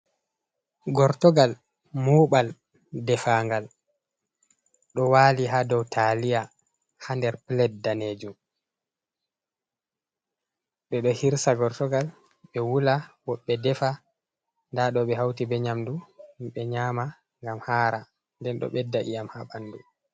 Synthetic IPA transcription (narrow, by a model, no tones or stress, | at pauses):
ɡɔɾtɔɡal | muːɓal | dɛfaːŋɡal | ɗɔwaːliɦadɔwtʰalija | handɛɾplɛt̚daneːd͡ʒum | ɓɛɗɔhiɾsaɡɔɾtɔɡal | ɓɛwulawɔɓːɛdɛfa | ndaɗɔɓɛhawtibɛɲamduɓɛɲaːma | ŋɡamhaːɾa | ndɛnɗɔ̰ɓɛdːaʔḭjamhaɓanːdu